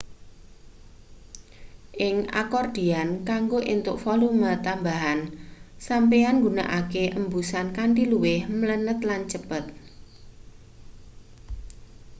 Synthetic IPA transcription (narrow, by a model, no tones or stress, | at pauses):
ʔɪŋʔa̰kɔrd̥iankaŋɡoʔint̪ʊʔfɔlumat̪ambaɦansampeanŋɡuna̰ʔakeʔəmbusankaɳɖiluwɪhmələnət̪lant͡ʃəpət̪̚